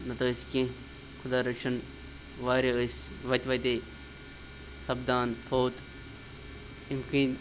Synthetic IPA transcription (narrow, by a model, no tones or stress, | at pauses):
nɐt̪oːiskẽ | kʰʊd̪aːɾɐkʃɐn | ʋaːɾesʋɐt̪ʋɐt̪e | sɐbd̪aːnpʰoːt̪ | imkiːn